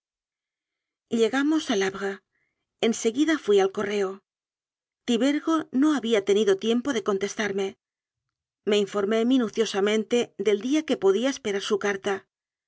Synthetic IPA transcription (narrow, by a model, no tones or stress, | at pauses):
ʎe̞ɣamo̞salaβɣa | e̞nse̞ɣiðafwialko̞re̞o̞ | t̪iβe̞ɾɣo̞no̞aβiat̪e̞niðo̞t̪je̞mpo̞ðe̞ko̞nt̪e̞st̪aɾme̞ | me̞iɱfo̞ɾme̞mĩnuθjo̞samẽ̞nt̪e̞ðe̞ld̪iake̞po̞ðiae̞spe̞ɾaɾsukaɾt̪a